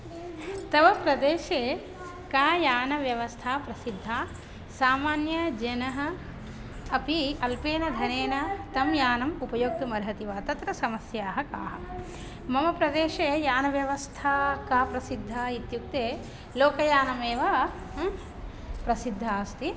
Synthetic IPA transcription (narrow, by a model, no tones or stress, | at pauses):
t̪ɐʋɐpɾɐd̪eːʃeː | kaːjaːnɐʋjɐʋɐst̪ʰaːpɾɐsid̪ʱːaː | saːmaːnjɐd͡ʒɐnɐɦɐ̆ | ɐpiɐlpeːnɐd̪ʱɐneːnɐt̪ɐmjaːnɐmupɐjoːk̚t̪umɐɾɦɐt̪iʋaːt̪ɐt̪ɾɐsɐmɐsjaːɦɐka̰ːɦɐ | mɐmɐpɾɐd̪eːʃeːjaːnɐʋjɐʋɐst̪ʰaːkaːpɾɐsid̪ʱːaːit̪juk̚t̪eː | loːkɐjaːnɐmeːʋaː | pɾɐsid̪ʱːaːst̪i